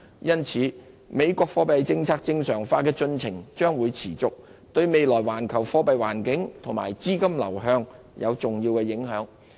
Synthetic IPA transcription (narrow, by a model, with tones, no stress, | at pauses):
jɐ˥nt͡sʰiː˨˥ | me˨˧jkʷɔː˧k̚fɔː˧˥pɐ˨˧jt͡sɪ˧ŋt͡sʰaː˧k̚t͡sɪ˧ŋsœː˨˩ŋfaː˧kɛː˧t͡sɵ˧nt͡sʰɪ˨˩ŋt͡ʃœː˥ŋwuː˨˧jt͡sʰiː˨˩t͡sʊ˨k̚t̪ɵ˧ɥme˨jlɔː˨˩jwaː˨˩nkʰɐ˨˩wfɔː˨˧˥pɐ˨jwaː˨˩nkɪ˨˥ŋt̪ʰʊ˨˩ŋmaː˨˩jt͡siː˥kɐ˥mlɐ̰˨˩wɦœː˧ŋ | jɐ˨˧wt͡sʊ˨ŋjiː˧wkɛː˧jɪ˨˥ŋɦœː˨˥ŋ